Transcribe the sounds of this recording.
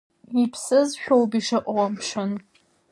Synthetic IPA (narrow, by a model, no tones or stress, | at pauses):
ipʰsɨzʃᶣowbiʂɐʔʷʼawamʂɐn